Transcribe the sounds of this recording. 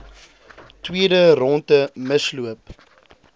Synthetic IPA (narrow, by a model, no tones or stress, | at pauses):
twiədəɾɔntəməsluəp̚